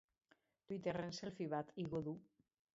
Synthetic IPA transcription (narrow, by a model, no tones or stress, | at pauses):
t̪wit̪e̞rense̞lfiβat̪iɣo̞ðu